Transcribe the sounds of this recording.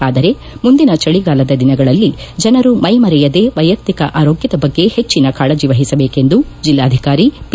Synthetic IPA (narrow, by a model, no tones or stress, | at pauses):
aːd̪ɐɾe̞ | mund̪inɐt͡ʃɐɭiɡaːlɐd̪ɐd̪inɐɡɐɭɐlːid͡ʒɐnɐɾumɐjmɐɾɛjɐd̪e̞ʋɐjɐt̪ːikɐʔaːɾo̞ːɡjɐd̪ɐbɐɡːe̞he̞t͡ʃːinɐkaːɭɐd͡ʒiʋɐɦisɐbe̞ːke̞nd̪ud͡ʒilːaːd̪ʱikaːɾip